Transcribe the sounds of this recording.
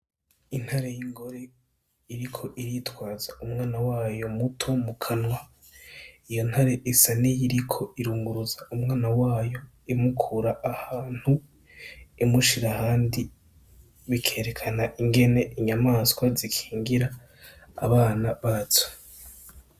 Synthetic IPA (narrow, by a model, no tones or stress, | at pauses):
in̥haɾe̞jiŋɡo̞ɾe | iɾikʰo̞ʔiɾitwaːzaumŋaːnawaːjo̞mutʰo̞mukʰanwa | ijo̞nhaɾe̞ʔisanijiɾikʰo̞iɾuːŋɡuɾuzaumŋaːnawaːjo̞ | imukʰuɾaʔːhaːn̥hu | imuʃiɾahaːndi | βikʰe̞ːɾe̞kʰanaʔiŋɡe̞ne̞ʔiɲamaːskwazikʰi̥ːŋɡiɾa̰ː | βaːnaβaːt͡so̥